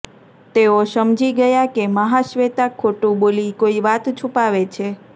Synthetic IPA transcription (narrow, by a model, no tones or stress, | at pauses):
t̪eoʃəmd͡ʒiɡəjakeməɦaʃʋet̪akʰːoʈũbolikoiʋat̪t͡ʃʰũpaʋet͡ʃʰe